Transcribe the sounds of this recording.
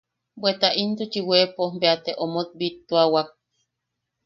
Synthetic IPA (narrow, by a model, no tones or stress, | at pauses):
bwet̪aʔint̪ut͡ʃiwepombeat̪eʔomot̪̚bit̪ːuawak̚